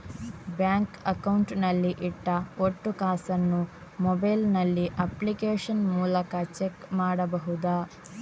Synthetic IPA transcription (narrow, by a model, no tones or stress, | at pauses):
bjaːŋkɐkɐwɳʈnɐlːiʔiʈːɐoʈːukaːsɐnːu | mɔbɐjlnɐlːiʔɐplikeːʂɐnmuːlɐkɐt͡ʃekmaːɽɐbɐɦud̪aː